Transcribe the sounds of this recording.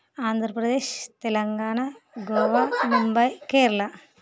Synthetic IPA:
aːnd̪ʱɾɐpɾɐd̪eːɕt̪elɐŋɡaːɳɐɡoːʋamumbɐjkeːɾɐɭɐ

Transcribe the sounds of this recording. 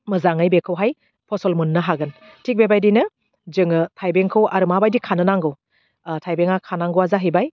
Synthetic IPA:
mɯzaŋɯjbekʰɯwɦaj | pʰɔsɔlmunːɯɦaɡɯn | tʰik̚bebajdinɯ | d͡ʒɯŋɯtʰajbeŋkʰɯwaɾɯmabajdikʰanɯnaŋɡɯw | tʰajbeŋakʰanaŋɡɯwazaɦijbaj

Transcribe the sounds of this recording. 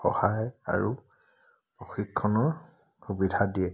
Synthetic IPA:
xɔ̰haja̰ɹu | pɹoxikʰːɔnɔɹ | xubidʱadiɛ

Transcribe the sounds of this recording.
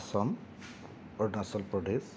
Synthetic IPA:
sɔm | ɔɹnasɔlpɹɔdes

